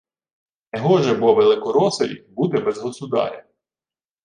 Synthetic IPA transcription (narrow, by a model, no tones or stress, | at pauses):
ɛɦɔʒɛbɔʋelˠɪkɔɾɔsɐlʲibut̪ɪbɛzɦɔst̪ʊd̪ɑ̰ɾʲɐ